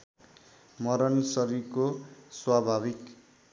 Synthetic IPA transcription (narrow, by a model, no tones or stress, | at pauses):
mʌɾʌnsʌɾikoswabʱabik